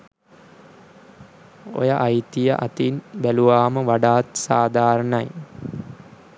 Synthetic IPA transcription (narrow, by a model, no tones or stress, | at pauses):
o̰jəʔajt̪ijəʔa̰t̪inbæluʋaːməʋaɖaːt̪saːd̪ʱaːɾəɳɐj